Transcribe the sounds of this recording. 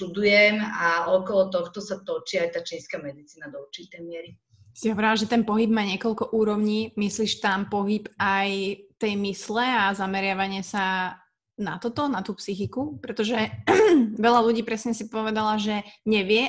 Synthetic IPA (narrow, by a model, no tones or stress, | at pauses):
t̪ud̪ujɛmaɔkɔlɔt̪ɔxt̪ɔsat̪ɔt͡ʃiajt̪aːt͡ʃiskamɛd̪it͡siːnad̪ɔuɾt͡ʃit̪ɛjmɪɛɾi | siɦɔʋɔɾilaʒɛt̪ɛnpɔɦib̚maːɲɪɛkɔʎkɔʔuːɾɔʊɲiːmisliːʃt̪ampɔɦipajt̪ɛjmislɛazamɛɾɪaʋaɲɪɛsa | na̰t̪ɔt̪ɔnat̪uːpsixikupɾɛt̪ɔʒɛ | ʋɛʎaluɟiːpɾɛsɲɛsipɔʋɛd̪alaʒɛɲɛʋɪɛ